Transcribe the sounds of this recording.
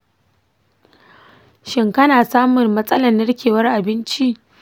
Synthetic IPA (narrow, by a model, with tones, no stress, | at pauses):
ʃɪ˦ŋkɐ˦naː˨saː˦mʊ˨mːɐ˦sʼɐ˦lɐ˨nːɐ˦ɽkʲeː˨wɐ˦rʔa˨bɪ˦nt͡ʃi˦ʔ